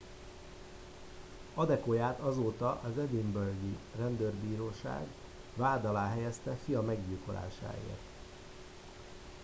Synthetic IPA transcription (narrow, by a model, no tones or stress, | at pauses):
ɒd̪ɛkojaːt̪ɒzoːt̪ɒʔɒzɛd̪imbørɡirɛnd̪ørbiːɾoːʃa̰ːɡ | vaːd̪ɒlaːɦɛjɛst̪ɛfijɒmɛɡɟiːlko̞lʔa̰ːʃa̰ːḛːrt̪